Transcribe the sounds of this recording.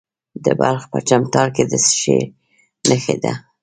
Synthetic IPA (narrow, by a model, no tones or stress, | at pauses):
d̪əbalxpə̰t͡ʃamt̪ɑɽked̪əsʃe | nəxed̪a